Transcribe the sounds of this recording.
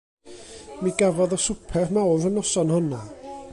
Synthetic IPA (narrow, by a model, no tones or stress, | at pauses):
miɡavɔðɔsʊpʰɛrmawðənɔsɔnhɔnɔ